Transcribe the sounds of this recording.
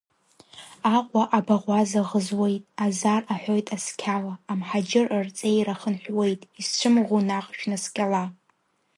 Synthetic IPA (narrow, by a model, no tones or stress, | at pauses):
aqʷʼaʔabaʁʷazaʁəzwe̞jtʼazaraħʷojtʼaskʲʰalaːmħad͡ʒɪrɨrt͡sʼejɾaχənħʷᶣwe̞jtʼist͡ʃʷʰɨmʁunaqʼʃᶣnɨskʲʼala